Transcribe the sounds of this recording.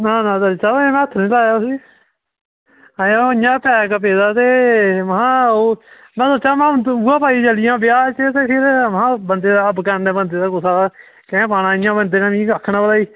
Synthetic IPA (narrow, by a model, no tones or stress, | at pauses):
naːnãːd̪əit͡ʃamɛ̃ːət̪ʰːnĩːlaːjaːʊsiː | aãɪjãːpɛːkəp̬eːd̪aːt̪eːməɦãːoː | mɛ̃ːsoːt͡ʃaːmɛ̃ːuːãːpaːiːd͡ʒəlɪjãːbɪjaːt͡ʃet̪eːpʰɪɾʋɦãːbənd̪eːd̪aːəbkəːndɛ̃ːbənd̪eːd̪aːkʊsaːd̪aː | kɛ̃ːpaːɽãːɪ̃jãːbənd̪eːnãːmĩːkakʰnabəlaːiː